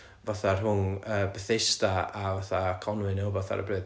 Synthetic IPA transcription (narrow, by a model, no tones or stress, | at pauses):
vɔθarɦʊnəːbəθɪstaavaθakʰɔnwɨnɛwvɔθa̰ɾə̰brɨː